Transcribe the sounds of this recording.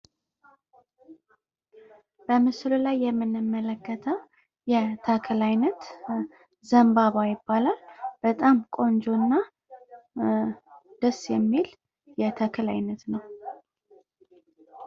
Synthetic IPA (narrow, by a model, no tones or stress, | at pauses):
b̥əmɨslulajːɛmːɨnːɨmːələkːət̪ʰəw | jɛt̪ʰəkʰɨlajnət̪ | zəmbaβajɪbːalalb̥ət̪ʼamkʼo̞nd͡ʒo̞nːa | d̪̥əsjɛmːil | jɛt̪ʰəkʰɨla̰jnət̪nəw